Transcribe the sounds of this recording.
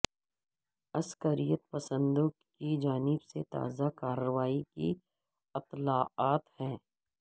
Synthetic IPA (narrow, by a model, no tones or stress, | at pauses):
ɐskəɾijət̪̚pɐsə̃nd̪õ | kid͡ʒaːnɪbset̪a̰ːzakaːɾəʋaːiki | ɪt̪laːʔaːt̪hɛ̃ː